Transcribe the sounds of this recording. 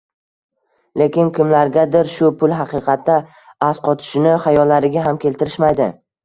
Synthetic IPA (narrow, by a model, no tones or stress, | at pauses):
le̞kʲɪnkʲʰɪmlaɾɡʲad̪ɪɾʃʊpʰʊlˠɦɑqɨqʰɑt̪ːa | asqʰɒt̪ʰɪ̥ʃɪnɪχajɒlːaɾɪɡʲaɦamkʲʰe̞lt̪ʰɪɾɪʃmajd̪ɪ